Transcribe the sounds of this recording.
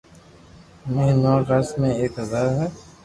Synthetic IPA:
menɔːɡasmẽeːkɦɐzaːɾɦɛː

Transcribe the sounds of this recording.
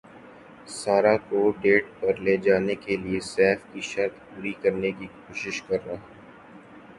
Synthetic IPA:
saːɾakoɖeːʈ̚pɐɾleːd͡ʒaːnekeliesɛːfkiʃɐɾt̪puːɾikɐɾnekikoːʃɪʃkɐɾːaːɛː

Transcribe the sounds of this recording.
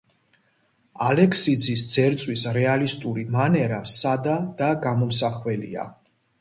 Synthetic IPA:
alɛkʰsid̪zisd̪z̥ɛɾt̪sʼwisɾɛalist̪ʼuɾimanɛɾasad̪ad̪̥aɡamɔmsaχwɛlḭa̰

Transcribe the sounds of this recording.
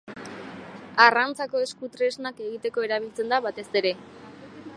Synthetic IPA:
arant͡sako̞e̞skut̪ɾe̞znake̞ɣit̪e̞ko̞e̞ɾaβ̞ilt͡se̞nd̪aβat̪e̞se̞ɾe̞

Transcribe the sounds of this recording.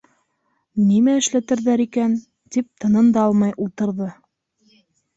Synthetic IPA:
nimæɘ̆ʃlæt̪ɘ̆ɾðæɾikæn | t̪ip̚t̪ʰɤ̆nɤnd̪ɑɑlˠmɑjʔulˠt̪ɤ̆ɾðɤ

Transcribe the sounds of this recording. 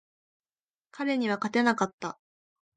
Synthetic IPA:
kaɾe̞ɲ̟iβ̞akat̪e̞nakat̪ːa

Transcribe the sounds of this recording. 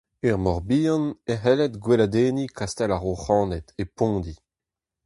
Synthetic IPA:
ɛʁmɔʁbiːɑ̃neɦɛlɛtɡwelad̪eːnikʰast̪ɛlaʁoχɑ̃ːnɛt̪epɔ̃ːd̪i

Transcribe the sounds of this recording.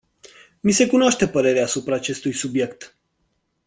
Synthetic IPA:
mise̞kunoaʃt̪e̞pəɾe̞ɾeaːsupɾaːt͡ʃe̞st̪ujsubje̞kt̪

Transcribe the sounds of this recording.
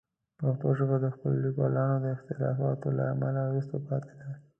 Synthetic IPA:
paxt̪oʒəɣad̪əxpəlolikwalɑnod̪əɪxt̪ɪlɑfɑt̪ola̰amalawɾust̪opɑt̪e̥d̪a

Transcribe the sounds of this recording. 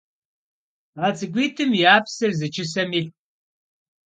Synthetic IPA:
at͡sʼɨɡʷiːtʰɨmjaːpsɨrzɨt͡ʃʰɪsɐmiːɬ

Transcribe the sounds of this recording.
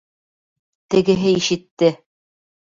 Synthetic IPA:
t̪ɘ̆ɡɘ̆ɦɘiʃɘ̆t̪ːɘ

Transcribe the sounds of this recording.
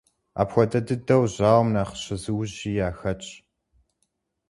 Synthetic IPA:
a̰ːpxʷɔdɐdɨdɐwʑaːwmnaːχə̥ɕɐzɨwʑiːjaːxɐt͡ʃʼ

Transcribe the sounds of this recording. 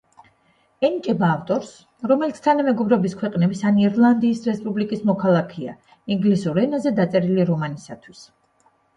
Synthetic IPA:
ɛnit͡ʃʼɛbaːft̪ʼɔɾs | ɾɔmɛlit̪sʰt̪ʰanamɛɡɔbɾɛbiskʰwɛqʼnɛbisaniɾlˠand̪iːsɾɛspʼublikʼismɔkʰalˠakʰɛa̰ | iŋɡlisuɾɛnazɛd̪at̪sʼɛɾiliɾɔmanisat̪ʰwis

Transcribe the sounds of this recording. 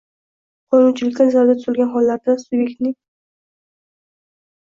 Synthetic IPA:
qʰɒnunt͡ʃʰɪlɪkʲt̪ʲanazaɾd̪at̪ʰʊ̥zɪlɡʲanχɒlːaɾd̪asubjek̚ʲt̪nɪ

